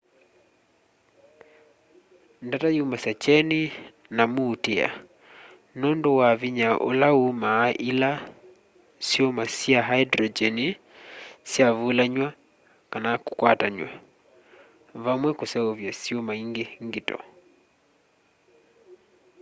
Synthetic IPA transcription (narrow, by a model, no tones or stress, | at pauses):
ndatajumasat͡ʃɛni | namuːtɛa̰ | nɔndɔwaviɲaʔo̰laumaʔila | siɔmasiaɦaidɾɔd͡ʒɛni | siavulaɲwa | kanaku̥kwataɲwa | vamwɛkusɛɔvjasiɔmaiŋɡeŋɡitɔ̰